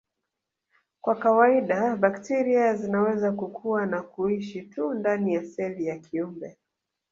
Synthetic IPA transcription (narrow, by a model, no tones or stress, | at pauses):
kwakawaiɗaɓaktiɾiazinawɛzakukʰuwanakuiʃitundanijasɛvijakʰiumbɛ